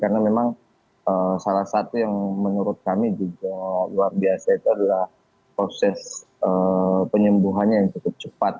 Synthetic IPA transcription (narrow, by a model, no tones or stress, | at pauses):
karnamemaŋ | əsalahsat̪ujaŋmənuɾʊt̪̚kamid͡ʒuɡaluarbiasait̪uadalah | pɾosɛs | əpəɲəmbuɦanɲajaŋt͡ʃukʊp̚t͡ʃəpat̪̚